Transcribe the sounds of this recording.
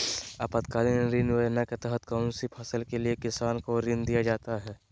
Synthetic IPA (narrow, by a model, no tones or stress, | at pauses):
apət̪kaːlineɾɪnʋənaket̪ɛɦət̪kaʊnsipʰɐsəlkeliekɪsaːnkoɾɪ̃nd̪ijad͡ʒaːt̪aɦɛː